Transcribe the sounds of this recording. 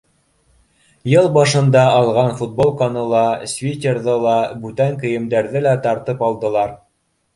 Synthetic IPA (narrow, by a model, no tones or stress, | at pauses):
jɤlˠbɑʃɤ̆nd̪ɑɑlˠʁɑnfut̪̚bolˠkɑnɤ̆lˠɑsʲvʲit̪ʲeɾðɤlˠɑbʉt̪æŋkɘ̆jɘ̆md̪æɾðɘlæt̪ɑɾt̪ɤpɑlˠd̪ɤ̆lˠɑɾ